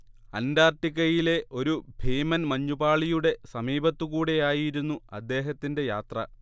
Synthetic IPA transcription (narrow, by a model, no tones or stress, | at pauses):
ɐndaːrʈːikːɐjile̞ʔo̞ɾubʱeːjmɐnmɐɲːubaːɭijuɽe̞sɐmiːbɐt̪ːukuːɽejaːjiɾunːuɐ̰d̪ːe̞ːɦɐt̪ːinde̞jaːt̪rɐ̰